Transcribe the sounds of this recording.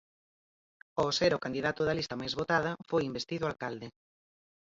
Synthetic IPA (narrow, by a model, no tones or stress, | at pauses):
osɛɾokand̪iðat̪ʊðɐlist̪ɐmajzβot̪aðɐfojimbest̪iðʊalkald̪e